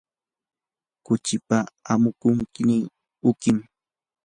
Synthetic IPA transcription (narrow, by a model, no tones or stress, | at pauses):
kʊt͡ʃɪpaamʊkʊŋkɪnɪ | ʊkɪm